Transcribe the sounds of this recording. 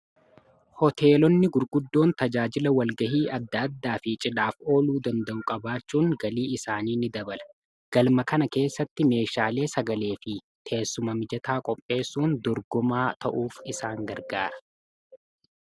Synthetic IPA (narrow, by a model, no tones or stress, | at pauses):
hɔt̪ʰe̞ːlɔnːɪɡʊɾɡʊd̪ːo̞ːnt̪ɐd͡ʒaːd͡ʒɪlɐwɐlɡɐɦiːʔɐd̪ːɐɐd̪ːaːfɪt͡ʃʼɪᶑaːfo̞ːluːd̪ɐnd̪ɐʔʊkʼɐbaːt͡ʃːuːŋɡɐliːɪsaːniːnɪd̪ɐbɐlɐ̥ | ɡ̥ɐlmɐkɐnɐke̞ːsːɐt̪ːɪme̞ːʃaːle̞ːsɐɡɐle̞ːfɪ | t̪ʰe̞ːsːʊmɐmɪd͡ʒɐt̪aːkʼɔpʼːe̞ːsːuːnd̪ɔɾɡɔmaːt̪ɐʔuːfɪsaːŋɡɐɾɡaːɾɐ̥